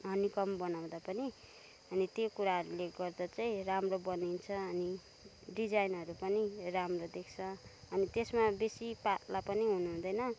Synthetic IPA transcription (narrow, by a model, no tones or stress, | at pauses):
ɦʌnikʌmbʌnaw̃d̪apʌni | ʌnit̪jokuɾaɦʌɾuleɡʌrd̪at͡saĩramrobʌnint͡sʰʌːni | ɖid͡zajnɦʌɾupʌniramrod̪ekʰt͡sʰʌʌnit̪esmabesipat̪lapʌniɦunuɦũnd̪ʌjnʌ